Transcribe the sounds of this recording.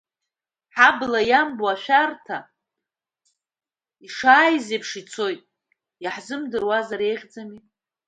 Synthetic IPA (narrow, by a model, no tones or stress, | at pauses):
ħablajambwaʃᶣartʰa | iʂaːjzepʰʂit͡sʰo̞jtʼ | jaħzɨmdɨrwazaɾe̞jʁʲd͡zami